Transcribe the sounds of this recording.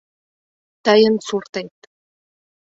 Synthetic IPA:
t̪ɑjə̆nsurt̪et̪

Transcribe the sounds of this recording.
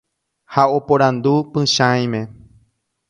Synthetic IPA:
hao̞poɾãnd̪upɨ̃ʃãj̃mẽ

